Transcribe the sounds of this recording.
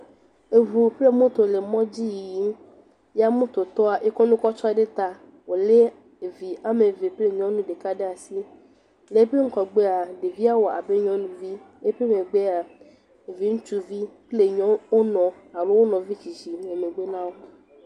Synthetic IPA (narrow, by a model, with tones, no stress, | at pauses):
e˨vu˨ple˦mõ˦t̪o˨le˨mɔ̃˦d͡ʑi˦ji˨ji˦m˦ | ja˦mõ˦t̪o˨t̪ɔ˦a˨ʔe˦kɔ˦nũ˦kɔ˦t͡ʃɔ˦a˨ɖe˦t̪a˨ | wo˨le˦ | e˨vi˨a˦me˨ve˨ple˦˨ɲɔ̃˦nũ˦ɖe˨ka˦ɖe˦a˨si˦ | le˨˦pe˦ŋ̩˦kɔ˨ɡ͡be˦a˨ɖe˨vi˦a˦wo˨a̰˨be˦ɲɔ̃˦nũ˨vi˦ | e˦pe˦me˨ɡ͡be˦a˨ | e˨vi˦ŋũ˦t͡ʃu˦vi˦ple˦˨ɲɔ̃˦wo˦nɔ̃˨ | a˨lo˦wo˦nɔ̃˨vi˦t͡ʃi˨d͡ʒi˨˦e˨me˨ɡ͡be˦nã˦wo˦